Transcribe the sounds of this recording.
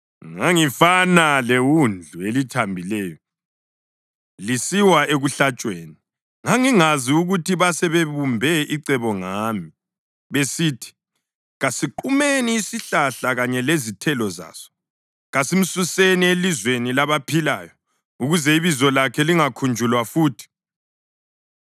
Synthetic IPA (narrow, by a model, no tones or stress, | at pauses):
ŋaŋifanalewund͡ɮʱuelitʰambʱilɛːjɔ | lisiwaʔeɣuɬat͡ʃʼweːni | ŋaŋiŋaziuɣutʰiβasɛβeβumbʱɛʔiǀɛβɔŋaːmi | βesiːtʰi̥ | ɣasiǃumeniːsiɬaɬaɣaɲɛlezitʰɛlɔza̰ːsɔ̥ | ɣasim̩susenielizwenilaβapʰilaːjɔ | uɣuzɛiβizɔlakʰɛliŋakʰund͡ʒʱulwafuːtʰi̥